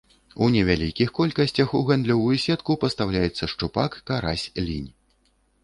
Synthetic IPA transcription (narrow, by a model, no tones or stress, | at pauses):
unʲɛvʲalʲikʲixkɔlʲkɐsʲt͡sʲɐxuɣand̪lʲɔvujusʲɛt̪kupɐst̪awlʲajɛt̪sːɐʂt͡ʂupakːaɾa̰sʲlʲḭnʲ